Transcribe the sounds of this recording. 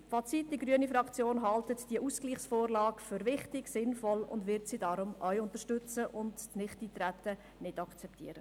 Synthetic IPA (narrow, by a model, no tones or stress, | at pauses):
fɑt͡sitdiɡɾyənifɾɑkt͡sjoːnɦɑltətd̥iəʔuskliːχsfoːɾlɑːkfʏɾvɪχtɪɡsɪnfɔlʊ̰ndʋɪɾtsidɑɾʊmœʏʊntəɾʃtʏt͡səʔʊntnɪχtitɾætːə | nɪdɑkt͡sɛptʰḭəɾə